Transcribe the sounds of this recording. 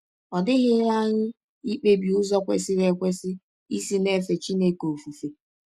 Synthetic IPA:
ɔ˨dɪ˦ɣɪ˦la˦ŋ̩˦ | i˦k͡pe˦bi˨ʊ˦zɔ˦kʷḛ˨sɪ˦ɾe˨kʷe˦sɪ˦ | i˦si˦ne˦fe˨t͡ʃi˦ne˦ko˨fu˨fe˨

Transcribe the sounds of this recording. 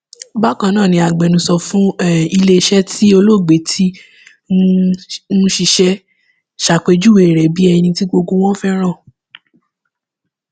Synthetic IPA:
ba˦kã˧nãː˦˨nĩ˧a˨ɡ͡bɛ˨nũ˧˦sɔ˧fũ˦˨i˧le˦˧ʃɛ˦tʰi˦o˧lo˦˨ɡ͡be˨tʰi˦ | nũ˦ʃi˧ʃɛ˧ | ʃa˨k͡pe˨˧d͡ʒu˦we˨ɾɛ˨bi˦ɛ˧nĩ˧ti˦ɡ͡bo˧ɡo˧w̃ɔ̃˦fɛ˦ɾ̃ã˦˨

